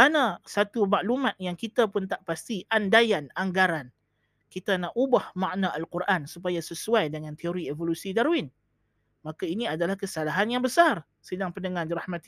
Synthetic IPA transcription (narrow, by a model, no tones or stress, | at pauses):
anasat̪umaʔlumãt̪̚jaŋkit̪apʊnt̪aʔpast̪iʔandajanaŋɡaɾan | kit̪anaʔubahmaʔnaʔalkuɾʔansupajasəsuajdəŋãnt̪eoɾievolusidaɾwɪn | mãkainĩadalahkəsalaɦanjaŋbəsar | sədaŋpəndəŋãndiɾahmãt̪i